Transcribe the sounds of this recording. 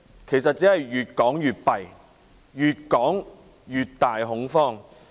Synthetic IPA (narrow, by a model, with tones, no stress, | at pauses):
kʰe˨˩js̬ɐ˨t̚t͡siː˨˥hɐ˨jɥyː˨t̚kɔː˨˥ŋjyː˨t̚pɐ˨j | jyː˨t̚kɔː˨˥ŋ | jyː˨t̚t̪aː˨jɦʊ˨˥ŋfɔː˥˩ŋ